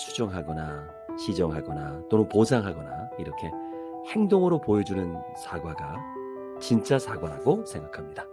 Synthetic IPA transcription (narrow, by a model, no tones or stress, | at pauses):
t͡ɕʰud͡ʑʌŋɦaɡʌna | ɕʰid͡ʑʌŋɦaɡʌnat͈onɯnposʰaŋɦaɡʌnaiɾʌkʰe̞ | he̞ŋdoŋɯɾopojʌd͡ʑunɯn | sʰaɡwaɡa | t͡ɕint͡ɕ͈asʰaɡwaɾaɡosʰe̞ŋɡakʰamɲida